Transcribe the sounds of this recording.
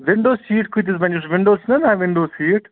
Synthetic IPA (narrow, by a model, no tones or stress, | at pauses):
ʋɪɳɖoːsiːʈkut̪̬isbɐ̃nusʋɪ̃ɳɖoːsnɐnaʋɪɳɖoːsiːʈ